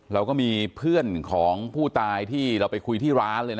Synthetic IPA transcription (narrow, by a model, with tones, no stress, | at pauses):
ɾa˧wkɔː˥˩miː˧pʰɯ˥˩ənkʰɔː˩˦ŋpʰuː˥˩t̪aː˧jt̪ʰiː˥˩ɾa˧wpa˧jkʰu˧jt̪ʰiː˥˩ɾaː˦˥nlɤː˧jna˦˥